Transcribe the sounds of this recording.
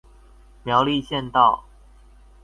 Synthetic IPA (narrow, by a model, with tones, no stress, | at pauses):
mjɑ˧˦ʊli˥˧ɕjɛ˥˧nt̪ɑ˥˨ʊ